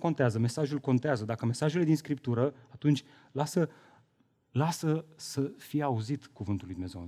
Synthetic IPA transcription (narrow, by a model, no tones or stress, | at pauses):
ko̞nt̪eazəme̞saʒulko̞nt̪eazəd̪akəme̞saʒele̞d̪inskɾip̚t̪uɾəat̪unt͡ʃʲ | lasə | lasəsəfijeauzit̪kuvɨnt̪ulujd̪umezew